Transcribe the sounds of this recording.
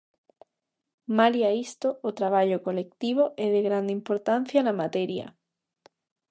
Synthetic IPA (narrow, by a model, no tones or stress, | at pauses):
maliaist̪oʔot̪ɾaβ̞aʎokolek̚t̪iβ̞oʔeðeɣɾand̪impoɾt̪an̟θjanamat̪eɾja̰